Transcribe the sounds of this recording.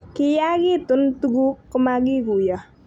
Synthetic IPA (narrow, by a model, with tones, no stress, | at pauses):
kɪ˦ja˦ɡɪ˦˨tʊ˨˦ntu˦ɡu˦kɔ˦ma˦ɡɪ˦ɡu˨jɔ˨